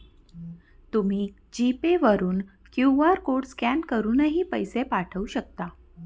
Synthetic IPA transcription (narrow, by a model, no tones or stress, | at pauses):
t̪um̤iː | d͡ʑipeʋəɾuːn | kjuʋaɾkoɽskankəɾuːnəɦiːpəjsepaʈʰəuɕəkt̪a